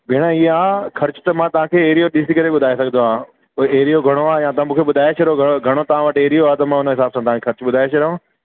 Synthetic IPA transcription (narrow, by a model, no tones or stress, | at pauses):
bʱɪːɽ̃ãiaːxɐɾt͡ɕʊ̥t̪ɐmãt̪ɐʋ̤ãːkʰeːeːɦɾijoɗɪsikɐɾeɓʊd̪ʱaːesɐɡʱənd̪oɦãː | eːɾijoɡʱɐɽ̃oaːjãːt̪ɐãmũːkʰeɓʊd̪ʱaːet͡ɕʰɐɾoɡʱɐɡʱɐɽ̃ot̪ɐʋ̤ãʋɐʈeːɾijoaːt̪ɐmãːʊnəɦɪsaːbsãt̪ɐʋɦãkexʰɐɾt͡ɕʊɓʊd̪ʱaːeʃʰɐɾɐɦõ